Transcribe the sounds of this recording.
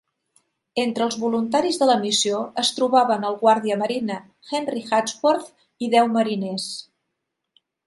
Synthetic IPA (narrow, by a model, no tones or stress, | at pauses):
ent̪ɾəːlˠzβulunt̪aɾizðələmisioəst̪ɾuβaβənəlˠɣwaɾð̞iəməɾinə | xɛnrixat͡sfoɾt̪ | iðɛwməɾinɛs